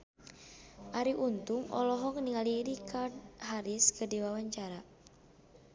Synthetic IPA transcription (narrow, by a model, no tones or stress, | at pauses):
ʔaɾiʔunt̪uŋɔ̰lɔɦɔkniŋaliɾikaɦaɾiskədiwawaɲt͡ʃaɾa